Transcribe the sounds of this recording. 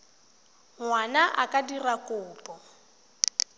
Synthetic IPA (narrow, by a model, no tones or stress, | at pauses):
ŋwanaʔakʼadirakʼʊːpʼɔ